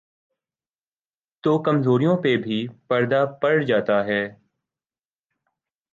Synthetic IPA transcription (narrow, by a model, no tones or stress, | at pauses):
t̪oːkəmzoːɾijõpebʱipəɾd̪apəɽd͡ʒaːt̪aɦɛː